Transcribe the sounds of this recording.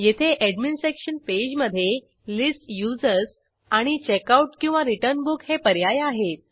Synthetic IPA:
jet̪ʰeʔɛɖminstɾekɕənped͡ʑməd̪ʱːje | lisʈjud͡zəɾs | aɽ̃it͡ɕekauʈkĩw̃ʋaɾiʈəɾnbukhepəɾjajaɦet̪̚

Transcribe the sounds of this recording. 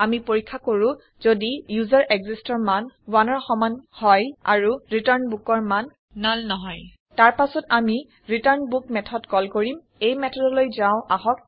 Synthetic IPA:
amipoɹikʰːakoɹũ | z̥odijuzaɹʔeɡzistɔɹmanwanɔɹxɔmanhɔja̰ɹuɹitaɹnbukɔɹman | nalnɔɦɔj | taɹpasɔtami | ɹitaɹnbuk̚mɛtʰɔdkɔlkoɹim | ejmɛtʰɔdɔlojzaʊ̃ʔaɦɔk̚

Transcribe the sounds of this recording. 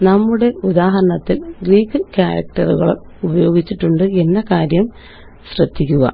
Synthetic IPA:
nɐmːuɽe̞ud̪aːɦɐɾɐɳɐt̪ːilɡriːkːɨkjaːɾɐ̰k̚ʈɐruɣɐ̰ɭum | ubɐjo̞ːɡit͡ɕːiʈːuɳɖɨe̞nːɐkaːɾjɐm | ɕrɐd̪ʱːikʲːuɣɐ̰

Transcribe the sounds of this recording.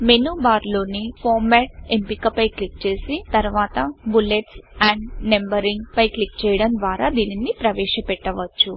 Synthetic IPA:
menuːbaːɾlo̞ːnipʰɔːɾmɛːʈ̚empikɐpɐjklik̚t͡ʃe̞ːsit̪ɐɾʋaːt̪ɐbuleʈsɛːɳɖnembɐɾiŋɡpɐjklik̚t͡ʃɛːjɐɽɐnd̪ʋaːɾaːd̪iːninːipɾɐʋɛːʃɐpɛʈːɐʋɐt͡ʃːu

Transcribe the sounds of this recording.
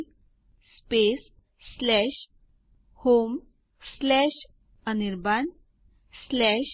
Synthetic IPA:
spesː | lɛɕ | hom | slɛɕ | əniɾban | slɛɕ

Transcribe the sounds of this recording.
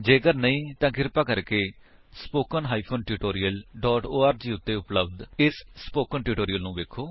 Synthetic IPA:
d͡ʒeːkəɾnəĩːt̪ãːkɪɾpaːkəɾkeː | spoːkənɦaːiːpʰoːnʈiːʈoːɾɪjəlɖɔːʈoːaːɾd͡ʒiːʊt̪ːeːʊpləbd̪ɪsspoːkənʈɪːʈoːɾijəlnũːʋeːkʰːoː

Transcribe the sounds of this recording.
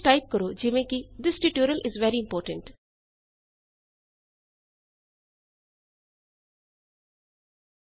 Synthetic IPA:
ʈaɪp̚kəɾod͡ʒɪʋẽkid̪ɪsʈuʈjuːɾəlʔɪzʋɛɾiɪ̃mpɔːɾʈə̃ɳʈ

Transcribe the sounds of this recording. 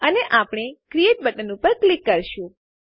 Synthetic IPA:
əneʔapɽ̃ekɾieʈ̚bəʈənũpəɾklikːəɾʃũ

